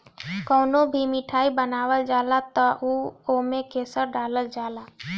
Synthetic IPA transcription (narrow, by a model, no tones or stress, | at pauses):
koːnõbʱimɪʈʰaːibənaːwəld͡ʒaːlat̪aʔuoːmẽkeːsəɾɖaːləld͡ʒaːlaː